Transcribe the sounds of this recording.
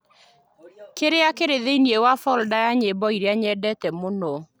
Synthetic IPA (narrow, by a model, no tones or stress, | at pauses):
keɾeakeɾeðeiniewafɔldajaɲebɔiɾeaɲɛdɛtɛmonɔ